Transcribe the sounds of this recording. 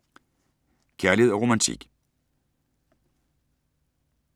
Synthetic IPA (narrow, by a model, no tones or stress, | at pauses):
kʰæɐliheð̞ˠɒʁomænt͡sʰḭɡ̥